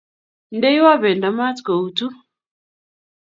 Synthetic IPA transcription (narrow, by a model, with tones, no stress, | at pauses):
n˦dɛ˦i˦wa˦βɛ˨nda˨ma˦tko˨u˨tu˦